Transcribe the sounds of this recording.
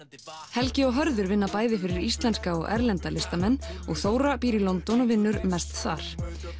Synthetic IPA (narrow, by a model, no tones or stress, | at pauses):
hɛlcɪɔɣɦœɾðʏɾvɪnːapaːjðɪfɪɾɪɾist̪lɛnskaɔɣɛ̰ɾlɛnt̪alɪst̪amɛnːɔɣθoːwɾapiːɾilɔnt̪ɔnvɪnːʏɾmɛst̪θa̰ɾ̥